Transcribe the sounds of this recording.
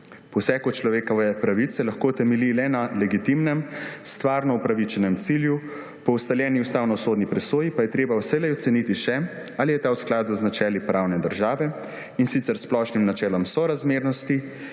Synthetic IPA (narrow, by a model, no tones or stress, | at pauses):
pɔwsɛːkut͡ʃlɔʋeːkɔʋɛpɾaʋit̪sɛlaxkoːt̪ɛmɛlilɛnalɛɡit̪imnɛmst̪ʋaːɾnɔupɾaʋit͡ʃɛnɛmt̪silju | pɔwst̪aljɛːniust̪aːwnɔsoːd̪nipɾɛsoːjipajɛt̪ɾeːbawsɛlɛɔt̪sɛnit̪iʃɛ | alijɛt̪aːwsklaːd̪uznat͡ʃɛːlipɾawnɛd̪əɾʒaːʋɛ | insit̪sɛɾsplɔʃnimnat͡ʃɛːlɔmsɔɾazmeːɾnɔst̪i